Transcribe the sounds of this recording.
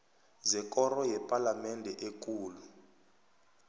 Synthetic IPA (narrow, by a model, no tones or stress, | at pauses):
zɛkɔrɔjɛpʼalamɛndʱɛʔek̬ʼuːlu